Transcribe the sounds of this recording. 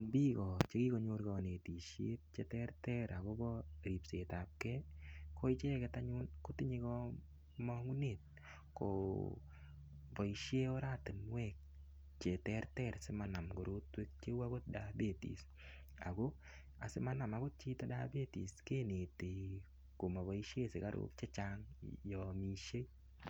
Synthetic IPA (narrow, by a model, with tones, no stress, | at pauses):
bi˦kɔ˨t͡ʃe˦ki˦ko˨ɲo˧ɾɡɔ˨ne˨ti˨ʃjḛ˦t̚t͡ʃetɛ˦ɾtɛɾa˨ɣo˦bɔ˦ɾi˨pse˨ta˨p̚kɛ˦kʰo˦i˦t͡ʃe˦kɛta˦ɲu˦nko˦ti˦ɲi˦kɔ | mɔ˦ŋu˦net̚ | ko̰ | bɔ˨i˨ʃje˦o˦ɾa˦tɪ˨nwɛk̚ | t͡ʃe˨tɛɾtɛɾsɪ˦mana˨mɡo˨ɾo˦twe˦k̚t͡ʃe˦wa˦ɡo˦t̚da˨be˨tḭ˨s | a̰˨ɡo˦ | a˨sɪ˦ma˦na˨ma˨ɡo˦t̚t͡ʃi˦ta˦da˦be˦ti˨ske˦ne˨te˨ | ko˨ma˨βɔ˨i˦ʃje˦sɪ˨ka˦ɾʔo̰˦k̚t͡ʃe˦t͡ʃa˦ŋjɔ˨mi˦ʃe˦